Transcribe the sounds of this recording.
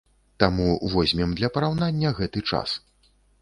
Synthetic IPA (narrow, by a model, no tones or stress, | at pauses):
t̪amuvɔzʲmʲɛmd̪lʲɐpɐɾawnanʲːɐɣɛt̪ɨt͡ʂa̰s